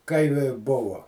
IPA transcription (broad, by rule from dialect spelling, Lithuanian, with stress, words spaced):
ˈkɐɪ ʋʲɪ ˈbʊʋoː